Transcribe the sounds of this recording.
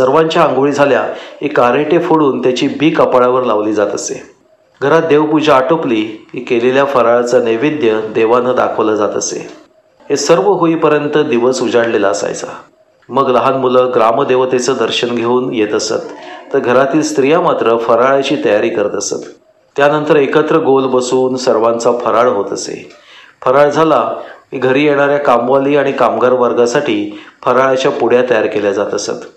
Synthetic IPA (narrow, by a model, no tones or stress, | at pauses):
səɾʋaɲt͡ɕjaŋɡoɭid͡zʱalja̰ɦekaɾeʈefoɽuːnt̪jat͡ɕiːbʱiːkəpaɭaʋəɾlaʋliːd͡zat̪əsḛ | ɡʱəɾat̪̚d̪eʋpud͡ʑaːʈokliːɦiːkeleljafəɾaɭat͡saneʋid̪jəd̪eʋanəd̪a̰kʰəʋləd͡zat̪əsḛ | ɦesəɾʋəɦoiːpəɾjənt̪əd̪iʋəsud͡zaɽlela̰əsa̰jt͡sa̰ | məɡləɦanmuləːɡɾaməd̪eʋət̪et͡səd̪əɾɕənɡʱeuːnjet̪əsə̰t̪ːəɾɡʱəɾat̪iːlst̪ɾijamat̪ɾəfəɾaɭat͡ɕiːt̪əjaɾiːkəɾət̪əsə̰t̪ː | janənt̪əɾekət̪ɾəɡolbəsuːnsəɾʋant͡safəɾaɭɦot̪əsḛ | fəɾaɭd͡zʱalaɦiɡʱəɾiːjeɽ̃aɾjakamʋaliːaɽ̃ikamɡaɾʋaɾɡasaʈʰiːfəɾaɭat͡ɕjapuɽ̤jat̪əjaɾkeljad͡zat̪əsə̰t̪